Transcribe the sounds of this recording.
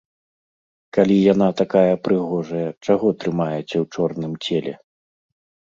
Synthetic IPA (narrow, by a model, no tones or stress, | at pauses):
kalʲijan̪at̪akajɐpɾɨɣɔʐɐjɐt͡ʂaɣɔt̪ɾɨmajɛt͡sʲɐwt͡ʂɔrnɨmt͡sʲelʲɛ̰